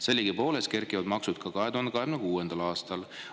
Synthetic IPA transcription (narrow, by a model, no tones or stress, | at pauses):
se̞lʲːiɡ̥ipo̞ːleske̞rkˑivɑd̪mɑksud̪̚kʰɑkɑɦet̪uhɑnd̪eɑɦemnekuːend̪̥ɑlɑːst̪ɑl